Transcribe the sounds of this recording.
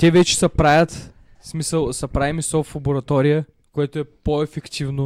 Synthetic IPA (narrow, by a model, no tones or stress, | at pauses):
t̪ʲɛvɛt͡ʃɛ̥sɐpɾajʲət̪ | smisəlˠsɐpɾaimisɔflˠɐboɾɐt̪ɔɾijə | koɛt̪oɛpoɛfɛkt̪ivno